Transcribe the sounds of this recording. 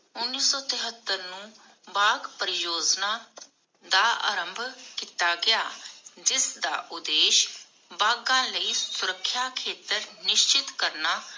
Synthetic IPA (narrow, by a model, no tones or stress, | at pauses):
ʊnːiːsɔːt̪ɪɦət̪ːəɾnũː | baːɡpəɾɪjoːd͡ʒnãː | d̪aːʔa̰ːɾəmbʱkiːt̪aːɡɪaːd͡ʒɪsd̪aːʔʊd̪eːʃ | baːɡãːləiːsʊɾəkʰːjaːkʰeːt̪əɾnɪʃt͡ʃɪt̪kəɾnaː